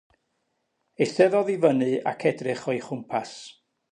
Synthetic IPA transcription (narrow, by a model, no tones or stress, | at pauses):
ejθɛðɔðivənɨa̰kʰɛdrɪχɔjχʊmpʰas